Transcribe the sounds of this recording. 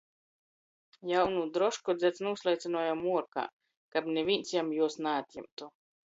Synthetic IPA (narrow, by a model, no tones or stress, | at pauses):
jawnud̪ɾɔʃkɔd̪zʲɛt̪snuːslˠajt̪sʲinuɔjamuɔɾka̰ː | kabnʲevʲinʲt̪sjamjuɔsnaːt̪ʲjɛ̰mt̪u